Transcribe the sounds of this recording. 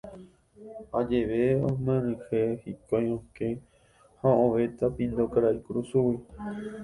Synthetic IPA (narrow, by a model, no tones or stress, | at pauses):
ad͡ʒeʋeõmẽɾɨ̃hehikojõkẽ | hãõʋet̪apĩnd̪okaɾaikuɾusuwi